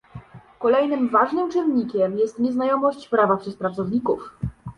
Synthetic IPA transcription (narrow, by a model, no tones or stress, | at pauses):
kɔlɛjnɘmvaʐnɘmt͡ʂɘnɲikʲɛmjɛst̪ɲɛznajɔmɔɕt͡ɕpɾavapʂɛs̚pɾat̪sɔvɲikuf